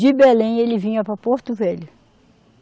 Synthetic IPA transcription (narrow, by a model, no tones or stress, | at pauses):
d͡ʒɪbelẽj̃elɪvĩɲɐpɾɐpoɾt̪ʊvɛlʊ